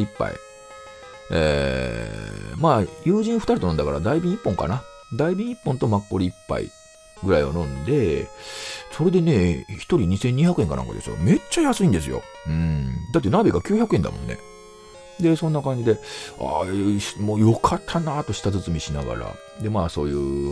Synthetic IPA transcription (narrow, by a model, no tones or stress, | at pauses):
ipːa̰ḭ | ḛ | maːjɯːʑĩɰ̃ɸɯ̟̥t̪aɾit̪o̞nond̪akaɾad̪aibʲĩipːõ̞ŋka̰na | d̪aibʲĩipːõ̞nt̪o̞makːo̞ɾʲiipːa̰ḭ | ɡɯ̟ɾaio̞̰nõ̞nd̪e̞ | so̞ɾe̞d̪e̞ne̞çi̥t̪oɾʲiɲ̟isẽ̞ɲ̟ːiçʲakɯ̟e̞ŋkana̰ŋka̰d̪e̞sɨ̰jo̰me̞t͡ɕːajasɨĩnd̪e̞sɨjo̞̰ | ɯ̟̃d̪at̪ːe̞nabʲiɡakʲɨːçjakɯẽ̞nd̪a̰mõ̞nːe̞̰ | d̪e̞sõ̞nːakãɲ̟d͡ʑid̪e̞a̰moːjo̞kʰat̪ʰːanat̪o̞ɕi̥t̪azɨt͡sɨmʲiɕinaɡa̰ɾa̰ | d̪e̞maːso̞ːjɯː